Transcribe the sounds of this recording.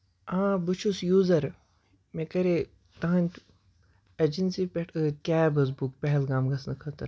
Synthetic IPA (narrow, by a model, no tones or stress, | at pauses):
ãːbɨt͡ʃʰusjuːzɐɾ | mekɐɾe | t̪ɐɦɐnʲt̪ʲ | ɐd͡ʒinsipʲeʈʰɨkʲaːbɐzbukpʲɐɦɛlɡaːmɡɐsnɨkʰɐt̪ɐɾ